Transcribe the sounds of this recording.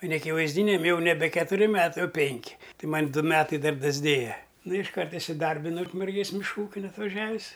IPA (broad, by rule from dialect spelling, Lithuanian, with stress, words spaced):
oː nʲɛɐkʲɪʋɐɪzʲˈdʲiːnʲɛm jɛʊ nʲɛˈbʲɛ kʲɛtʊˈrʲɪ ˈmʲæːtɐɪ oːˈpʲɛŋʲkʲɪ ˈtɐɪ ˈmɐnʲ ˈdʊ ˈmʲæːtɐɪ ˈdɐr dɐzʲˈdʲeːjɛ nʊ ɪʃˈkɐrt ɪsʲɪˈdɐrʲbʲɪnɐʊ ʊkmʲɛrʲˈɡʲeːs mʲɪʃˈkuː ˈuːkʲɪn ɐtʋɐˈʒʲæːʋʲɪs